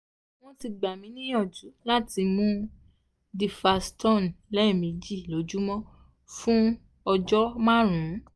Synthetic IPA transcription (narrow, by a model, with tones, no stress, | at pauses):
w̃ɔ̃˦ti˧ɡ͡ba˨mĩ˨˦nĩ˦ɔ˦˨d͡ʒu˨˦la˦ti˧mũ˦ | di˧fa˧stɔ̃˦˨n˨lɛ˦˨mĩ˨˦d͡ʒi˦˨lo˨˦d͡ʒu˦mɔ̃˦ | fũ˦ | ɔ˧d͡ʒɔ˦mã˦ɾũ˨˦